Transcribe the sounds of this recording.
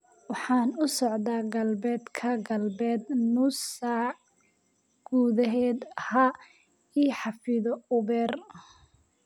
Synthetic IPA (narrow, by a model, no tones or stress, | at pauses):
wɑħɑːnʊsɔʕd̪aːɡɐlbɛːd̪kʰɐɡɐlbɛːd̪nʊsa | ɡ̥uːðɐɦɛːd̪hɐ | iːħɑfɪðɔʊβɛːr